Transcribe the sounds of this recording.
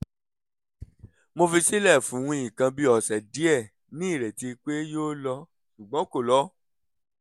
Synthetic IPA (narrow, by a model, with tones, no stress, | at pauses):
mo˧fi˧si˦lɛ˦˨fũ˨˦wũ˧˦ĩ˦˨kã˧bi˦ɔ˦˨sɛ˨di˨˦ɛ˦˨ | nĩ˦i˦˨ɾɛ˨ti˧k͡pe˦joː˦lɔ˧ | su˨ɡ͡bɔ̃˨˦ko˦˨lɔ˨˦